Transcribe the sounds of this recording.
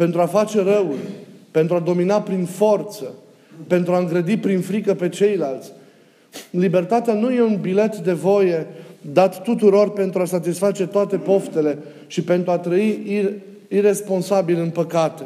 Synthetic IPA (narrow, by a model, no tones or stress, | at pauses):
pe̞nt̪ɾuafat͡ʃe̞ɾəwulʲpe̞nt̪ɾuad̪o̞minapɾinfo̞rt̪sə | pe̞nt̪ɾuaɨŋɡɾəd̪ipɾinfɾikəpe̞t͡ʃe̞jlalt̪sʲ | libe̞rt̪at̪eanuje̞unbile̞t̪d̪e̞vo̞je̞d̪at̪ːut̪uɾo̞rpe̞nt̪ɾuasat̪isfat͡ʃe̞t̪oat̪e̞po̞ft̪e̞le̞ | ʃipe̞nt̪ɾuat̪ɾəi | ire̞spo̞nsabilɨnpəkat̪e